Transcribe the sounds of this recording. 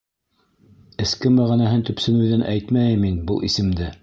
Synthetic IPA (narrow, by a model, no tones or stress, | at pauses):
ɘ̆skɘmæʁænæɦɘnt̪ɵ̆psɘ̆nɘðɘnʔæ̰jt̪mæjɘmːinbɤlˠisɘ̆md̪ɘ